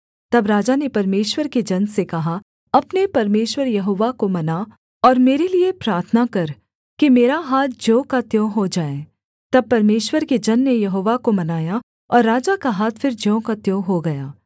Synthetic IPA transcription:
t̪ɐbɾaːd͡ʒanepɐɾmeːʃwəɾked͡ʒɐnsekɐɦa | ɐpnepɐɾmeːʃwəɾjɐɦoːʋakomɐna | ɔːɾmeːɾeliepɾaːɾt̪ʰnakɐɾ | kimeːɾaɦaːt̪̚ʰd͡ʒõːkat̪jõːɦod͡ʒaːe | t̪ɐb̚pːɐɾmeːʃwəɾked͡ʒɐnːejɐɦoːʋakomɐnaːja | ɔːɾːaːd͡ʒakaɦaːt̪ʰfʰɪɾd͡ʒõːkat̪jõːɦoɡɐjaː

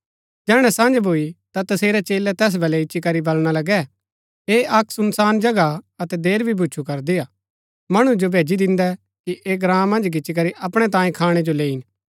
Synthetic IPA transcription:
d͡ʒɛːɽ̃ɛsãːnd͡ʒbʱoːit̪at̪ɐseːɾɛt͡ʃeːlɛt̪ɛːs̬bɐlɛɪt͡ʃikɐɾibɐlɽ̃alɐɡɛ | eɐksʊnsaːnd͡ʒɐɡaɐt̪ɛd̪eːɾbʱibʱut͡ʃʰukɐɾd̪iaː | mɐɽ̃ud͡ʒobʱeːd͡ʒid̪ɪ̃nd̪ɛ | kiʔeːɡɾãːmmːɐ̃nd͡ʒkɪt͡ʃik̬ɐɾiʔɐpɽ̃ɛt̪ãːjẽkʰaːɽ̃ɛd͡ʒoleːin

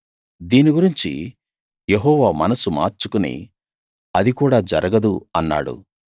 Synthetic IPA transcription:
d̪iːniɡuɾiɲt͡ʃḭ | jeɦɔːʋaːmɐnɐsuma̰ːɾt͡ʃukunḭ | ɐd̪ikuːɽaːd͡ʒɐɾɐɡɐd̪uɐnːa̰ːɽṵ

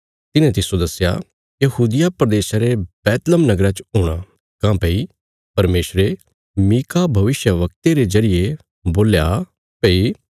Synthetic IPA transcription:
t̪ɪnẽt̪ɪsod̪ɐsːja̰ | jɐɦuːd̪ɪjapɾɐd̪eːʃaɾebɛːt̪ləmnɐɡɾat͡ʃɦʊːɽ̃a | kãːpɐi | pɐɾmeːsɾe | miːkabʱɐʋɪʃjəʋɐk̚t̪eɾezɐɾɪje | boːlja | pei

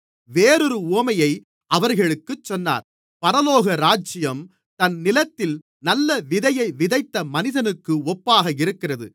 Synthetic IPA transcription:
ʋeːɾɯɾɯuɐmɐjɐɪ | ʔɐʋɐɾɣɐɭɯkːɯt͡ʃːɔnːa̰ːɾ | pɐɾɐloːɣɐɾaːd͡ʒɪjɐm | t̪ɐnnɪlɐt̪ːɪl | nɐlːɐʋɪðɐjɐɪʋɪðɐɪt̪ːɐmɐnɪðɐnɯkːɯɔpːaːɣɐɪɾɯkːɪrɐðɯ̰

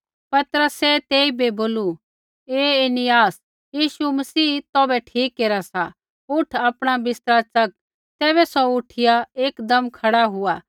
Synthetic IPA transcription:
pɐt̪əɾəsɛt̪eːibeboːlu | eːenɪjaːs | jiːʃumɐsiːt̪ɔːbɛʈʰiːkːeːɾasa | ʊʈʰaːpɽ̃abɪst̪əɾat͡sɐk̚ | t̪ɛːβɛsɔʊʈʰɪjaeːkd̪ɐmkʰɐɽaɦʊaː

